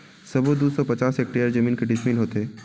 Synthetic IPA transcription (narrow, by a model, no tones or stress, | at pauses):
sɐbod̪uːsɔpɐt͡ʃaːsek̚ʈeːjəɾd͡ʒɐmiːnkeɖɪʃmiːlɦoːt̪eɦɛː